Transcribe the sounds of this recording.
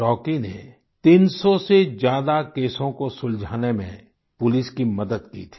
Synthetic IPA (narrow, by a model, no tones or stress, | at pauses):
ʈɔːkinḛ | t̪iːnsɔsed͡ʒjaːd̪akeːsõkosʊld͡ʒʱaːnemḛ̃ | pʊlɪskimɐd̪əd̪̚kḭːt̪ʰi̥